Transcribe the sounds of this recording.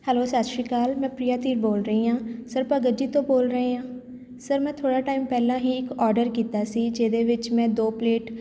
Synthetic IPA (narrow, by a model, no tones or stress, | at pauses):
hɛːloːsat̪ʃiːkaːlmɛ̃ːpɾiːjaːt̪iːɾboːlɾəiːãːsəɾpəɡəd͡ʒiːt̪õːboːlɾəeːãː | səɾmɛ̃ːt̪ʰoːɽaːʈaːiːmpɛːlãːɦiːɪkɔːɾɖəɾkiːt̪aːsiːd͡ʒeːd̪eːʋɪt͡ʃmɛ̃ːd̪oːpleːʈ